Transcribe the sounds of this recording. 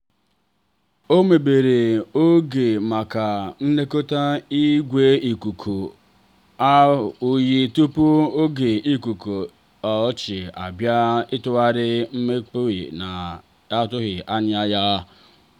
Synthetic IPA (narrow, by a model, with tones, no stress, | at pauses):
o˦me˨be˨ɾe˨o˦ɡe˨ma˨ka˨n̩˦ne˦ko˦ta˦i˦ɡʷe˦i˨ku˨kʰu˨ | a˦˨u˦ji˦tu˦pu˦o˦ɡe˨i˦ku˨ko˨ | ɔ˨˦t͡ʃɪ˨a˨bja˦ɪ˦tʊ˦a˦ɾɪ˦m̩˦me˦k͡po˦ɪ̰˨na˨ | a˦tʊ˦ɣɪ˨ʔa˦nɪ˦a˦ja˦